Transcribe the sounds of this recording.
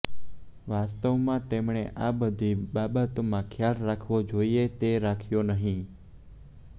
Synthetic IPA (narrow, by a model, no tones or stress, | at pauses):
ʋast̪əʋmãt̪emɳeʔabəd̪ʱiɓabat̪omãkʰjalɾakʰʋod͡ʒoiet̪eɾakʰjonəɦĩ